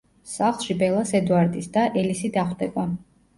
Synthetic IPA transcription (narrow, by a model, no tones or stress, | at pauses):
saχlˠʃibɛlˠasɛd̪uaɾd̪isd̪aʔɛlisid̪aχd̪ɛba